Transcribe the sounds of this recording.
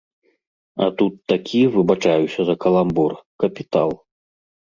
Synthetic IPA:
ɐ̰t̪ut̪ːakʲʰivɨbat͡ʂajusʲɐzɐkɐlˠambɔrkɐpʲit̪a̰lˠ

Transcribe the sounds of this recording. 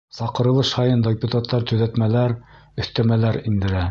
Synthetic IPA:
sɑqɤ̆ɾɤ̆lˠɤʃhɑjɤnd̪opʲut̪at̪ːɑɾt̪ɵ̆ðæt̪mælæɾɵ̆θt̪æmælæɾind̪ɘ̆ɾæ

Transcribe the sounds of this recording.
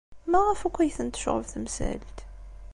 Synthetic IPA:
mæʁəfækʷːæjθənt̪ə̥ʃʁə̰vθəmsæ̰lt̪

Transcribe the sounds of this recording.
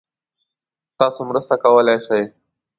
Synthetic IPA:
t̪ɑːsomɾəst̪akɐwəlajʂaj

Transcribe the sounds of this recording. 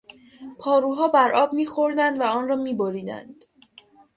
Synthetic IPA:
pʰɒːɾuːɦɒːbæɾʔɒːbmiːxo̞ɾd̪ænd̪væɒːnrɒːmiːboɾiːd̪æ̰nd̪̥

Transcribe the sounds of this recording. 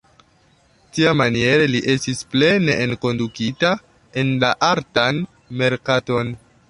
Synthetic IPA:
tiamanie̞ɾeliʔe̞stisple̞neʔenko̞ndukita | e̞nlaʔaɾtan | me̞ɾkato̞n

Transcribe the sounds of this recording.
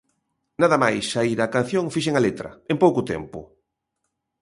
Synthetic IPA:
naðɐmajsaiɾakan̟θjoŋfiʃ̬eŋalet̪ɾɐ̰empowkʊt̪ɛ̰mpʊ̰

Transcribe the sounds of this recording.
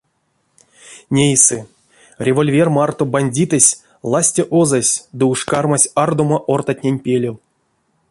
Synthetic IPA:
nʲejsɨ | rʲevo̞lʲvʲe̞rmart̪obanʲdʲit̪ɨsʲ | lˠasʲtʲeʔozasʲd̪ɨuʂkarmasʲard̪omaʔort̪atʲnʲenʲpʲelʲew

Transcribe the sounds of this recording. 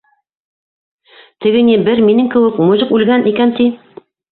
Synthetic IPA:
t̪ɘ̆ɡɘ̆nibɘɾminɘŋkɘ̆wɘkmŏjɤqʉlɡænʔikænt̪i

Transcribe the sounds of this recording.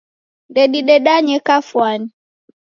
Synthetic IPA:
ndɛɗiɗɛɗaɲɛkafwani

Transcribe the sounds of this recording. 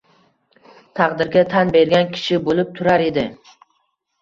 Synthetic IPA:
t̪ʰɑqd̪ɪɾɡʲat̪ʰanbe̞ɾɡʲankʲʰɪ̥ʃɪbolɪp̚t̪ʰʊɾaɾe̞d̪ɪ

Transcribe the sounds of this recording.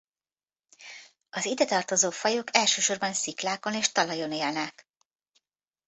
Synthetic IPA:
ɒzid̪ɛt̪ɒrt̪o̞zoːfɒjo̞kɛlʃøːʃo̞rbɒnsiklaːko̞neːʃt̪ɒlɒjo̞neːlnɛk

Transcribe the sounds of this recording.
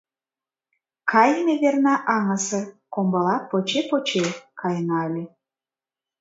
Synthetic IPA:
kʰɑjəmeβʲernɑʔɑŋəsə̆kombɤ̆lˠɑpːot͡ɕepot͡ɕekʰɑjənɑlʲi

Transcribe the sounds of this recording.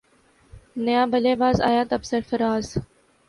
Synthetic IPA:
nəjãːbəleːbaːza̰ːjaːt̪əbsəɾfəɾaːz

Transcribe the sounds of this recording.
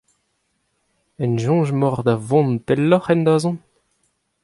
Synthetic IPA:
ɛnʒɔ̃ːʒmɔʁd̪avɔ̃ntɛlːɔχɛnd̪azɔ̃n

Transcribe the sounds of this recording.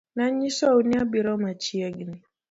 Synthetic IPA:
naɲisɔuniabiɾɔmat͡ʃiaɡini

